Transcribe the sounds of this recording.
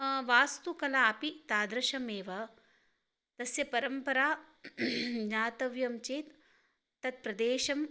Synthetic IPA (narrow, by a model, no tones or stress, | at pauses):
ʋaːst̪ukɐlaːpit̪aːd̪ɾɐʃɐmeːʋɐ | t̪ɐsjɐpɐɾɐmpɐɾaː | naːt̪ɐʋjɐmt͡ʃeːt̪ː | ɐt̪̚pɾɐd̪eːʃɐm